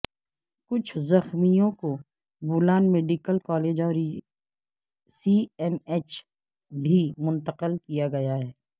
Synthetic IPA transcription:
kʊt͡ʃʰzɐxmijõko | buːlaːnmeːɖɪkəlkɔːleːd͡ʒɔːɾ | siɛmeːt͡ʃ | bʱimʊ̃nt̪əqəlkijaɡɐjaɦɛː

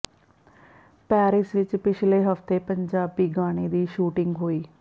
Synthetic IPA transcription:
pɛːɾɪsʋɪt͡ʃpɪt͡ʃʰleːɦəft̪eːpəɲd͡ʒaːbiːɡaːɽ̃eːd̪iːʃuːʈɪŋɡɦoːiː

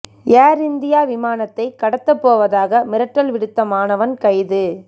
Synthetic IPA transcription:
jaːɾɪnd̪ɪjaːʋɪmaːnɐt̪ːɐɪkɐɽɐt̪ːɐpːoːʋɐðaːɣɐmɪɾɐʈrɐlʋɪɽɯt̪ːɐmaːnɐʋɐnkɐɪðɯ

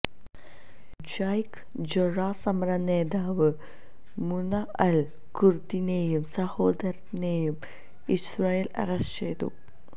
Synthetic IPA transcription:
d͡ʑajk | d͡ʑoɻaːsɐmɐɾɐneːd̪aːʋɨ | munɐʔɐl | kurt̪inejumsɐho̞ːd̪ɐɾɐnejum | israːjelɐ̰rɐst͡ɕejt̪ṵ

